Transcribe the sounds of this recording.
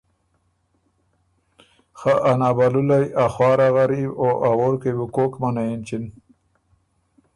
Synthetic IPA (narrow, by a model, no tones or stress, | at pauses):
xaʔanabalulajaxwɑːɾaɣaɾiboʔawoɾkejbukokmanaint͡ʃin